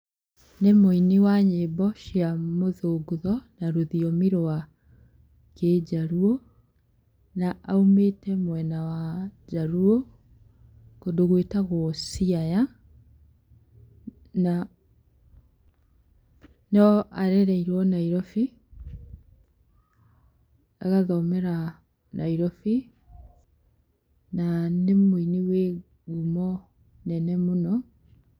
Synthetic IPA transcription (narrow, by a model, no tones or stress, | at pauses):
nemoiniwaɲeːbɔʃiamoðoːɡuðɔnaɾoðiɔmiɾowa | keːd͡ʑaɾuo | naʔaumeːtɛmwɛnawad͡ʑaɾuo | kodoɣwetaɣoɔsiaja | na | nɔʔaɾɛɾɛiɾwɔnaiɾɔfi | a̰ɣaðaomeɾa | nʔaiɾɔfi | nanemuiniwe | ɡumɔ | nɛnɛmunɔ